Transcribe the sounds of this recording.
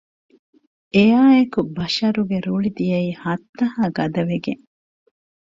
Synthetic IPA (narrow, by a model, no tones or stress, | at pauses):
ejaːekubɐʃɐɾuɡeɾuɭid̪ijɐiːhɐt̪ːɐhaːɡɐd̪ɐʋeɡeŋ